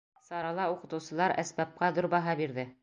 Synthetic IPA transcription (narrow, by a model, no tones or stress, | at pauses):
sɑɾɑlˠɑuqɤ̆t̪ɤ̆wsɤ̆lˠɑɾæ̰sbæp̚qɑðoɾbɑɦɑbiɾðɘ